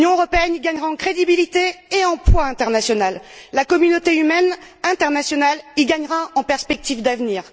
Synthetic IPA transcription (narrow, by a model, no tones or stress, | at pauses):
njɔ̃øʁɔpeɛniɡaɲʁaɑ̃kχed̪ibilit̪eeɑ̃plwaɛ̃t̪ɛʁnasjɔnalːakɔmynot̪eymɛn | ɛ̃t̪ɛʁnasjɔnaliɡaɲʁaɑ̃pɛʁspɛk̚t̪ivd̪avniːʁ